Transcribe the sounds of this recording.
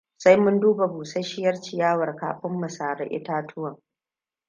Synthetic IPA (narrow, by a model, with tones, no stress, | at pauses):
sa˦jmʊ˦nduː˦ba˨buː˨sɐ˦ʃɪ˦jɐ˦rt͡ʃi˨jaː˦wɐ˨rka̰ː˨ɸɪ˦mːɐ˨saː˨ɽɐ̰˦ʔɪ̰˦taː˦tʰʊ˦wɐ˨ŋ